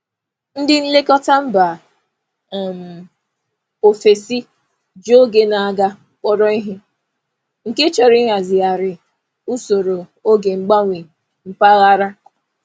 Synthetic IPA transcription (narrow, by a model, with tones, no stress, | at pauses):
n̩˦dɪ˦n̩˦le˦kɔ˦ta˦m̩˦ba˨ | m̩˨ | o˨fe˨si˦ | d͡ʒo˦ɡe˦na˨a˨ɡa˦k͡pɔ˦dɔ˦i˦ɦɪ˦ | ŋ̩˨ke˦t͡ʃɔ˨ɾɪ˦ɦa˨zɪ˨a˨ɾɪ˨ | u˦so˨ɾo˨ | o˦ɡe˨ŋ͡m̩˦ɡ͡ba˦ŋʷe˨ | m̩˦pa˦ɣa˦ɾa˦